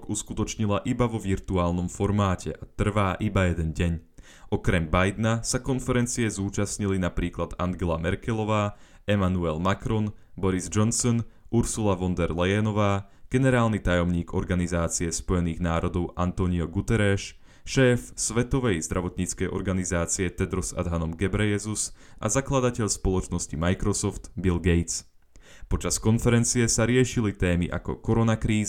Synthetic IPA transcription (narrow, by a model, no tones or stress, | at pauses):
kuskut̪ɔt͡ʃɲilaʔibaʋɔʋiɾt̪uaːlnɔmfɔɾmaːcʰɛʔat̪r̩ʋaːʔibajɛd̪ɛnɟɛɲ | ʔɔkɾɛmbajd̪nasakɔnfɛɾɛnt͡siɛzuːt͡ʃasɲilinapɾiːklad̪aŋɡɛlamɛɾkɛlɔʋaː | ɛmanuɛlmakɾɔnbɔɾizd͡ʒɔnsɔnuɾsulaʋɔnd̪ɛɾlɛjɛnɔʋaːɡ̥ɛnɛɾaːlnit̪ajɔmɲiːɡɔɾɡanizaːt͡siɛspɔjɛniːɣnaːɾɔd̪ɔʊʔant̪ɔɲiɔɡut̪ɛɾɛʃ | ʃɛːfsʋɛt̪ɔʋɛjzd̪ɾʔaʋɔt̪ɲit͡skɛjʔɔ̰ɾɡanizaːt͡siɛt̪ɛd̪ɾɔza̰d̪ɦanɔmɡɛbɾɛjɛzusʔa̰zaklad̪acɛʎspɔlˠɔt͡ʃnɔscimajkɾɔsɔft̪bilɡɛjt͡s | pɔt͡ʃaskɔnfɛɾɛnt͡siɛsaɾɪɛʃilit̪ɛːmiʔa̰kɔ̰kɔɾɔnakɾiːz